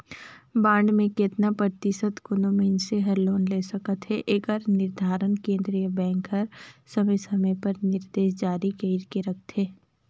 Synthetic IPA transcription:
bãːɳɖmẽket̪napəɾt̪ɪsət̪kʊnõmẽnseɦɐɾloːnleːsɐkət̪ɦɛʔeɡəɾnɪɾd̪ʱaːɾənkẽːnd̪ɾijəbɛ̃ːŋkɦɐɾsɐməjsɐmə̃pɐɾnɪɾd̪eːʃd͡ʒaːɾikeɪɾkeɾɐk̚ʰt̪ɦɛː

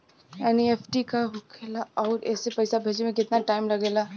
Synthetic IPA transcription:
ɛːnieːpʰʈikaɦʊkʰeːlaɔːɾɛːsepɐɪsabʱeːd͡ʒimẽkɪt̪naʈaːɪmlɐɡeːlaː

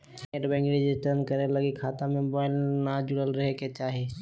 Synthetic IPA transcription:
eʈbɛ̃ŋkɾed͡ʒisʈ̪ənkəɾeləɡikʰaːt̪amẽbaɪlnad͡ʒʊɽəlɾəɦeket͡ʃaːɦi

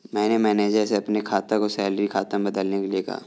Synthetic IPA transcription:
mɛ̃ːnemɛ̃ːned͡ʒɛːɾseɐpnekʰaːt̪ãkosɛːləɾikʰaːt̪ãbɐd̪əlnekelieka̰ː

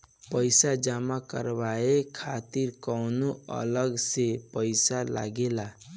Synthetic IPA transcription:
pəjsad͡ʒamakə̰ɾbaekʰat̪iɾkɔwnuə̰ləɡsepəjsala̰ɡela

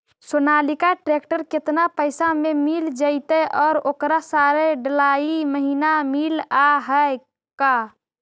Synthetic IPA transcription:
sonalikaʈɾekʈəɾket̪napəɪsamemild͡ʒaɪt̪əʔɔːɾokɾasaɾeɖəlaiməɦinamilaɦəj | ka

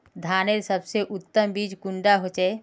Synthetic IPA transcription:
d̪ʱaːneɾsəbseʔʊt̪ːəmbiːd͡ʒkʊ̃ɳɖaɦot͡ʃɛ

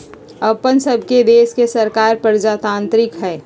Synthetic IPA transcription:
ɐpənsəbʱked̪eːskesɐɾkaːɾpəɾd͡ʒaːt̪ãːnt̪ɾɪkɦɛː

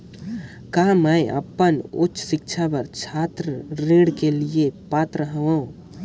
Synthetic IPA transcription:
kaːmɛjʔə̰pːənʊ̰tːt͡ʃʰːsɪk̚t͡ʃʰabəɾt͡ʃʰaːt̪ɾəɾeːɽkeliepaːt̪ɾəɦʋõ

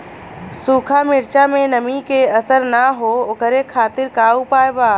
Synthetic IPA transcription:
suːkʰamɪɾt͡ʃamẽnəmikeəsəɾnaɦookəɾekʰaːt̪ɪɾkaupaːjbaː

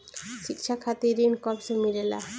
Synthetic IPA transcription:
ʃikʃʰakʰat̪iɾinkɔpsomiɾela̰

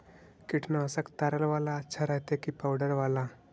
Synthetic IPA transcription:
kiʈʰnaəsakt̪aɾəlʋalaːtːɕʰaɾaɦt̪ekipawɖəɾʋala

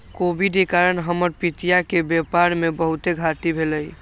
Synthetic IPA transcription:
kobiɖekaɾənɦəməɾpit̪ijakebjepaɾmebəɦut̪eɡʱat̪ibʱeləj

